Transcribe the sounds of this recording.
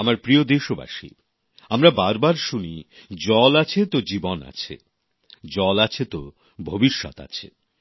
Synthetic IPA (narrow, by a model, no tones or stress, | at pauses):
amaɾpɾiod̪eʃoba̰ʃḭ | amɾabaɾbaɾʃunid͡ʑɔlat͡ɕʰet̪od͡ʑibona̰t͡ɕʰḛ | d͡ʑɔlat͡ɕʰet̪o | bʱobiʃːɔ̰t̪a̰t͡ɕʰḛ